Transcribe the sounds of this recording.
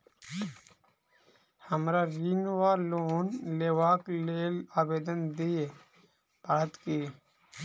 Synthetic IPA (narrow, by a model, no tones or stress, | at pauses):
həmɾaːɾinʋaːloːnleːʋaːkleːlaːbeːd̪ənd̪ie | bəɽət̪kiː